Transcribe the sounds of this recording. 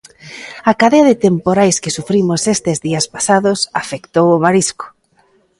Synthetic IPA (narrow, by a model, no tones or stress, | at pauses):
akaðeɐðɪt̪empoɾajskɪsufɾimosest̪ezðiaspḁsaðosafekt̪owomaɾisko̥